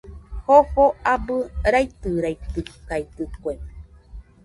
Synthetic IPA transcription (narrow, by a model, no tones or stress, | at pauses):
hoɸoabɨɾajt̪ɨɾajt̪ɨkajt̪ɨkʷem